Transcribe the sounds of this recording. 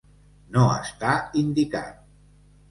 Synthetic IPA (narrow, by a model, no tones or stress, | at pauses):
noə̰st̪aind̪ikat̪̚